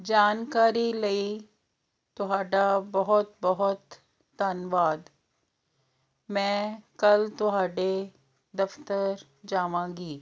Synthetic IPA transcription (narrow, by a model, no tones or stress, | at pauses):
d͡ʒaːnkaːɾilɐi | t̪ʊɦaːɖabɐɦʊt̪̚bɐɦʊt̪ː | anʋaːd̪ | mɛ̃ːkɐlt̪ʊɦaːɖe | d̪ɐft̪əɾ | d͡ʒaːʋãːɡiː